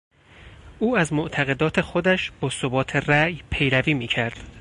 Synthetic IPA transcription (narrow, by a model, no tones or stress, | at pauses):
ʔuːæzmoʔt̪ʰæɣe̞d̪ɒːt̪ʰe̞xod̪æʃbɒːsobɒːt̪ʰe̞ræjpʰe̞jɾæviːmiːcʰæɾd̪̥